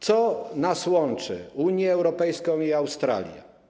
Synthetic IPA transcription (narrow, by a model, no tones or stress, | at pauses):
t̪sɔnaswɔnt͡ʂɘ̰uɲjɛːwɾɔpɛjskɔ̃w̃iawst̪ɾa̰lʲjɛ̰